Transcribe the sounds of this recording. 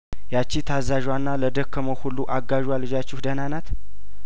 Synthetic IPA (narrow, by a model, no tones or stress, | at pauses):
jat͡ʃːit̪ʰazaʒwanːaləd̪əkʰːəməwhulːuʔaɡaʒwalɨd͡ʒat͡ʃːɪhd̪ənanat̪